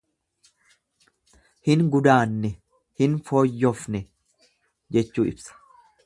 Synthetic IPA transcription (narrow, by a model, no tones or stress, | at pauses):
hɪnɡʊd̪aːnːɛ | hɪnfoːjːɔfnɛ | d͡ʒɛt͡ʃːuːɪ̰bsɐ̥